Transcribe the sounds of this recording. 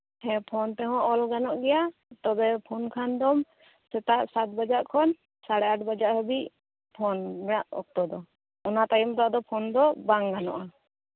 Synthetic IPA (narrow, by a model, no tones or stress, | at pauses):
hɛpʰɔnt̪ɛɦɔ̃ʔɔlɡanɔʔɡɛjat̪ɔbɛpʰɔnkʰand̪ɔm | sɛt̪aʔsat̪̚bad͡ʒaʔkʰɔn | saɽɛaʈbad͡ʒaʔɦɔbiʔ | pʰɔnmɛaʔɔ̰k̚t̪ɔd̪ɔ | ɔnat̪ajɔmt̪aad̪ɔpʰɔnd̪ɔbaŋɡanɔ̰ʔa